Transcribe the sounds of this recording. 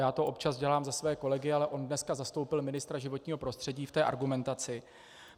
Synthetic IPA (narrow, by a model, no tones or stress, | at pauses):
jaːt̪o̞ʔo̞pt͡ʃazɟɛlaːmzasvɛːko̞lɛɡɪalɛʔo̞ndnɛskazast̪o̞wpɪlmɪnɪst̪ɾaʒɪvo̞t̪ɲiːɦo̞pɾo̞st̪r̥ɛɟiːft̪ɛːʔa̰ɾɡumɛnt̪at͡sɪ